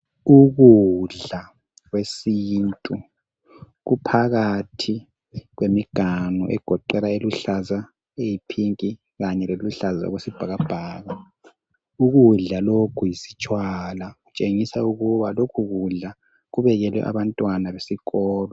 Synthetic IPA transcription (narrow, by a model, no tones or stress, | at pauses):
uɣuɮa | ɣwesiːntʼu | ɣupʰaɣatʰi | ɣwemiɡ̥ʱanṵʔɛ̰ɡ̥ʱɔǃɛlaeluɬaza | ejipʰiŋkʼi | ɣaɲɛleluɬaza̰ɔ̰ɣwesib̥ʱaɣab̥ʱaːɣa | uɣuɮalokʰujisi̥t͡ʃʼwalaɣut͡ʃʼeŋisauɣuβalokʰuɣuɮa | ɣuβɛɣɛlwɛ̰ʔa̰βantʼwanaβesiɣɔːlɔ